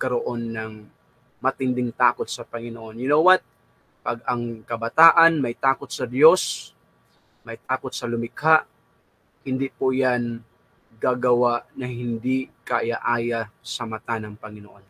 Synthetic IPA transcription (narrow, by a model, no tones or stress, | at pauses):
kɐɾoʔo̞nːɐŋ | mɐt̪ɪnd̪ɪŋt̪aːkot̪̚sɐpɐŋɪnoʔo̞njʊnowat̪̚ | pɐɡ̚ʔɐŋkɐbɐt̪aːʔɐnmɐjt̪aːkot̪̚sɐd̪jo̞s | mɐjt̪aːkot̪̚sɐlʊmɪkhaʔ | hɪnd̪ɪpʊjan | ɡaːɡɐwaʔnɐɦɪnd̪ikaʔjaʔaːjasɐmɐt̪anɐŋpɐŋɪnoʔo̞n